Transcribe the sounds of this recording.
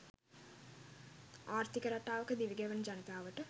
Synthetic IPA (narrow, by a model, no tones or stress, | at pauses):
aːɾt̪ikəɾaʈaːʋəkəd̪iʋiɡeʋənd͡ʒɐnit̪aːʋəʈə